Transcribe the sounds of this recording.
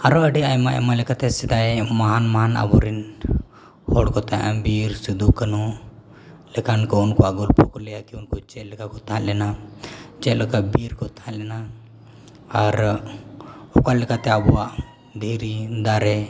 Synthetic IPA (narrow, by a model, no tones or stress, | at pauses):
aɾoəɖiajmaʔɛ̰malɛkat̪ɛsid̪ajmaɦanmaɦana̰bɔɾin | hɔɽkɔt̪aʔãbiɾsid̪ukənu | lɛkankounkɔaɡolpʰokolɛjakiunkot͡ʃɛlɛkakɔt̪ʰãlɛnat͡ʃɛləkabiɾkɔt̪ʰãlɛna | aɾ | ɔkalɛkat̪ɛabuwaʔ | d̪ʱiɾid̪aɾɛ